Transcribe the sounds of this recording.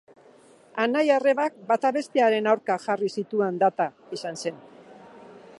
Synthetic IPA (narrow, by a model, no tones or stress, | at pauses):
anajare̞βak̚bat̪aβe̞st̪eaɾe̞nawɾkaʝarisit̪uend̪at̪a | isanse̞n